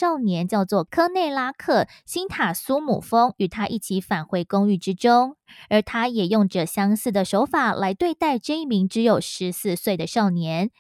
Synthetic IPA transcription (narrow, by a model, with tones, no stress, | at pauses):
ʂɑ˥˩ʊnjɛ˧˥nt͡ɕjɑ˥˧ʊt͡swɔ˥˩kʰɤ˥ne˥˩ɪla˥kʰɤ˥˩ | ɕi˥nt̪ʰa˨˩su˥mṵ˨˩fo˥ŋy˨˩t̪ʰa˥ʔi˥˩t͡ɕʰi˧˥fa˨˩nxwe˧˥ɪkʊ˥ŋy˥˩ʈ͡ʂɻ̩˥ʈ͡ʂʊ˥ŋə˞˧˥t̪ʰa˥jɛ˨˩jʊ˥˩ŋʈ͡ʂə˨˩ɕjɑ˥ŋsɹ̩˥˩d̪ə˩ʂo˧˥ʊfa˨˩la˧˥ɪt̪we˥˧ɪt̪a˥˧ɪʈ͡ʂɤ˥˧i˥˩mi˧˥ŋʈ͡ʂɻ̩˧˥jo˨˩ʊʂɻ̩˧˦sɹ̩˥˧swe˥˩ɪd̪ə˩ʂɑ˥˩ʊnjɛ˧˥n